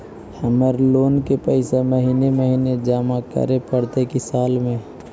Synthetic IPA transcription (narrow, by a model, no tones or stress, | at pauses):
həməɾloːnkepəɪseməɦiːneməɦiːned͡ʒaːmakə̰ɾepəɽt̪ekisaːlmẽ